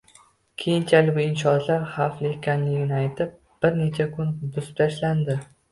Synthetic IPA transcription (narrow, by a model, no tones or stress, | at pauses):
kʲʰe̞jɪnt͡ʃʰalɪbʊɪnʃɒzlaɾχaflɪkʲʰanjɪɡʲɪnɪajt̪ʰɪp̚ | b̥ɪɾne̞t͡ʃʰakʰʊnbʊzɪp̚t̪ʰaʃland̪ɪ